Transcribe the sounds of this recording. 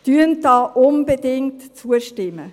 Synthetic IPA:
tyəndɑːʔʊnbedɪŋtt͡suəʃtɪmːə

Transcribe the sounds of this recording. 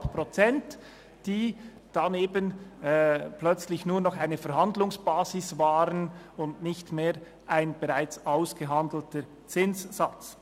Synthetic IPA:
pɾot͡sɛnt | d̥iː | d̥aneːbən | plœt͡slɪçnuːnɔχaɪnəfɛɾɦandlʊŋsb̥aːzɪsvaːɾənʊndnɪçtmeːɾʁ | ʔaɪnbɛʁaɪt͡saʊsɡ̥əɦɑndl̩tə | t͡sɪnszat͡s

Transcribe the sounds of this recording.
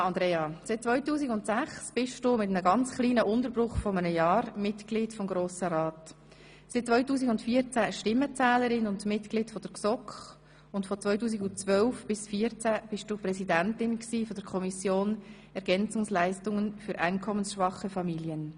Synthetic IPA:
ɑnd̥ɾɛːɑsɪt̚t͡sʋɔʏtuːsɪɡʊntsæχsb̥ɪʃd̥uːmɪtəməɡɑnt͡sχliːnəʔʊndəɾbɾʊχfɔmənəjɑːɾmɪtklɪːdfɔmɡɾoːsəɾɑːt | sɪt̚t͡sʋœʏtuːs̬ikʊntfiːət͡sæʃtɪmːət͡sæːləɾɪnʊndmɪtklɪːdfɔd̥əɾksɔkχ | ʊntfɔt͡svœʏtuːs̬iɡʊnt͡sʋœlfb̥ɪsfiːəɾt͡sæb̥ɪʃd̥upɾɛsidæntɪnksiːfɔd̥əɾkʰɔmisjoːn | ɛɾɡɛnt͡sʊŋslæɪstʊŋənfʏɾʔa̰ɪnkʰɔmənsʃʋɑχəfɑmiljən

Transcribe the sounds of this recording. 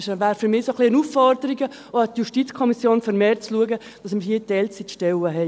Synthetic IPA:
ʃʋæːɾfyɾmiːsoχliənufːɔrd̥əɾiɡə | oɑt̪juʃtit͡skʰɔmisjoːnfəɾmeːrtt͡sluəɡə | d̥ɑsmɪɾhiətɛlt͡sitʃtɛləɦɛ

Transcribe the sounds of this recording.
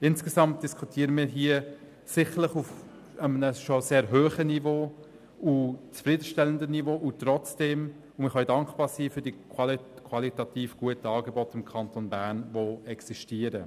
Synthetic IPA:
ɪnsɡ̥esɑmt̚d̥iskʰutʰiːəɾənmiːɾɦiə | sɪχəlɪχuf | əmnəʃoseːɾɦøːχənivoː | ut͡sfrɪdəʃtɛləndənivoːʔʊtrɔt͡sd̥ɛːm | ʊnmɪχœʏdɑŋkb̥ɑːɾz̥iːfyːdikɑl | kʰwɑlitɑtiːfɡ̥uətəɑːɡebɔtɪmkʰɑntonbæːɾnvoɛksiʃtiːəɾə

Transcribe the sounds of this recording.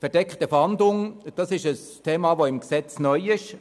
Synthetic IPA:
fɛɐʁd̥ɛktəfɑndlʊŋd̥ɑsɪʃəs | tʰeːmɑːʋoɪmksɛt͡snœʏɪʃ

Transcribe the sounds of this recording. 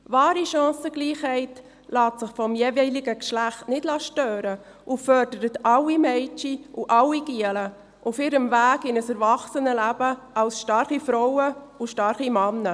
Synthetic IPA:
vɑːɾiʃɑ̃ːsəɡ̥liːχhɛɪt | lɑːtsɪχfɔmjeːviːlɪɡəkʃlæχtnɪdlɑːʃtøːɾə | ʔufœdəɾətʰɑwimɛɪt͡ʃiʔuʔɑwiɡ̥iələ | ʔʊfɪɾəmvæːɡɪnəsɛɾvɑχsənəlæb̥əʔɑlsʃtɑɾχifɾɔwə | uʃtɑɾχimɑnːə

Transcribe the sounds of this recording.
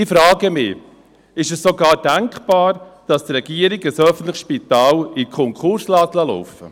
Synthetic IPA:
ifɾɑːɡəmɪ | ɪʃɛssoɡɑːɾdæŋkχb̥ɑːɾd̥ɑst̪ɾɛɡ̥iəɾiɡəsœfən̩t̪ləxsʃpit̪ɑːlɪkʰɔŋkʰχʊɾslɑːtlɑlo̰ʊfə̰

